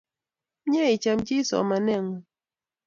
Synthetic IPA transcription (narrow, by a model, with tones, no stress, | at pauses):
ɲe˦i˨t͡ʃa˨md͡ʒi˦sɔ̰˨ma˨nɛ˦˨ŋɔ˨